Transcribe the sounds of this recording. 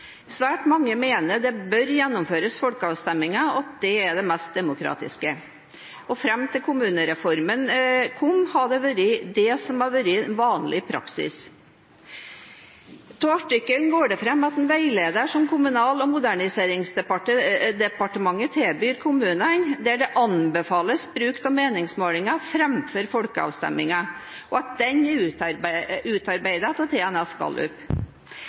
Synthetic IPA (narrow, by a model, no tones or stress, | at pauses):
sʋæːʈmɑŋːəmeːnəd̪ɛbœɾjɛnːʊmføːɾəsfɔlkəɑːʋst̪ɛmːɪŋɑɑt̪̚d̪̥ɛæɖɛmɛst̪̚d̪ɛmʊkʰɾɑ̰ːt̪ɪ̰skə | ʔɔfɾɛmːt̪ʰɪlkʰʊmʉːnəɾɛfɔɾmənkʰʊmhɑɖɛʋʉɾɪd̪ɛsɔmɑɾʋʉɾɪnʋɑːnlɪpʰɾɑ̰ksɪ̰s | t̪ʰoɑʈɪkːəln̩ɡoːɖɛfɾɛmːɑt̪ɛnʋæɪleːd̪əʂɔmkʰʊmʉnɑːlɔmʊd̪æɳɪseːɾɪŋsd̪ɛpɑʈəd̪ɛpɑʈəmɑŋːət̪ʰebyːɾkʰʊmʉːnənd̪æɖɛʔɑnbɛfɑːləsbɾʉːkt̪ɑmeːnɪŋsmoːlɪŋɑfɾɛmføːɾfɔlkəɑ̰ːʋst̪ɛ̰mːɪŋə | ʔɔɑt̪̚d̪ɛɲʉ | ʉːt̪ɑɾbæɪd̪ət̪ʰɔt̪ʰɛːɛnɛskɑ̰lʉ̰p